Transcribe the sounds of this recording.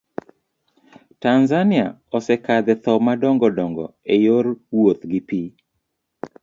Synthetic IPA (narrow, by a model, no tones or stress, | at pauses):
tanzania̰ | ɔsɛkad̪ɛt̪ɔmadɔŋɡɔdɔŋɡɔ̰ejoɾwot̪ɡɪpi